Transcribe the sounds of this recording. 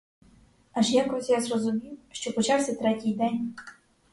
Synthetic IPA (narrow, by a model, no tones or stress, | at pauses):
aʂjakɾɔsʲjazrɔzumʲiwʃt͡ɕɔpɔt͡ɕawsʲɐt̪ɾɛtʲijd̪ɛnʲ